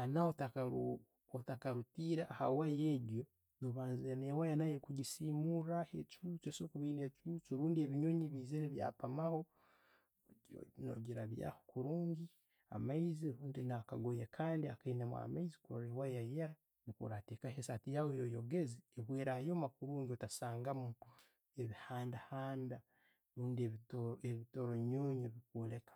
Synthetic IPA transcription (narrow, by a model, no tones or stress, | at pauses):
anaotaka | otakaɾutiːɾaːha̰wajeɟjo̞ | noβaːnzienewajanajekuɟisiːmuɾahet͡ʃut͡ʃesokuβinet͡ʃut͡ʃiɾuːndieβiɲoɲiβiːzeneβja̰ːpamaho | no̰ɟiɾaβja̰hokuɾuːɲɡi | a̰maiziɾuːndinakaɡojekʰaːndiakainemwa̰maizikoɾewajajeɾa | nikṵɾateːkaɦesatijawojojoɡezieβweːɾajoːmakuɾuːɲɟiotasaːŋɡamu | eβihaːndahaːnda | ɾuːndieβitoeβitoɾoɲoːɲoβikulekḁ